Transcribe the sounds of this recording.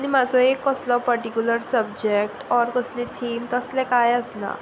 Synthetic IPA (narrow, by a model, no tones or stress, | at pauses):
ɽ̃imad͡zʱɔekːəslɔpəɾʈikʲjuləɾsəb̚d͡ʑek̚ʈɔɾkəslet̪ʰiːmt̪əslɛ̃kajəsla̰